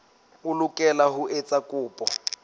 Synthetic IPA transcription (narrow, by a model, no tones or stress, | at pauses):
ʊlʊkʼɛlaɦʊʔet͡sʼakʼʊːpʼɔ